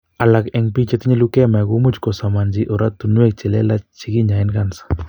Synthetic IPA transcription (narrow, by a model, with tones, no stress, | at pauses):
a˨la˨kɛ˨ŋpi˦t͡ʃe˦t̪i˦ɲe˦lu˦kɛ˦ma˨ɡu˦mu˦t͡ʃkɔ˨sa˨ma˨nd͡ʒi˦ʔɔ˨ɾa˦t̪ːu˨nwɛ˦˨k̚t͡ʃɛ˨lɛ˦la˦t͡ʃi˦ki˦ɲa˨ɪ˦nka˨nsḁ˨